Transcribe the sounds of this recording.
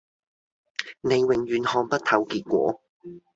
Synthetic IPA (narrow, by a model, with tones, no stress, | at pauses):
ne˨˧jwɪ˨ŋjyː˨˧nhɔː˧ŋpɐ˥t̪̚ʰɐ˨˧wkiː˧t̚kʷɔ̰ː˨˥